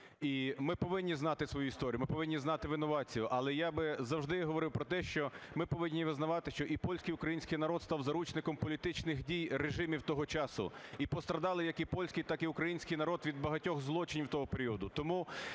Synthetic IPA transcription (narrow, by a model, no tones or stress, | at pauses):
imɪpɔʋɪnʲːiznɑt̪ɪsʋɔjuist̪ɔɾʲijmɪpɔʋɪnʲːiznɑt̪ɪʋɪnɔʋɑt͡sʲijʊʔɐlˠɛjabɪzɐwʒd̪ɪɦɔʋɔɾɪwpɾɔt̪ɛʃt͡ʃɔmɪpɔʋɪnʲːiʋɪznɐʋɑt̪ɪʃt͡ʃɔʔipɔlʲsʲkɪjʊkɾɐjinʲsʲkɪjn̪ɐɾɔd̪st̪ɑwzɐɾut͡ʃnɪkɔmpɔlʲit̪ɪt͡ʃnɪxdʲijreʒɪmʲiwt̪ɔɦɔt͡ʃɑsʊ̰ipɔst̪ɾɐd̪ɑlˠɪjɐkipɔlʲsʲkɪjt̪ɑkiʊkɾɐjinʲsʲkɪjnɐɾɔd̪ʋʲid̪̚bɐɦɐtʲɔxzlˠɔt͡ʃɪnʲiwt̪ɔɦɔpeɾʲiɔd̪ʊt̪ɔmu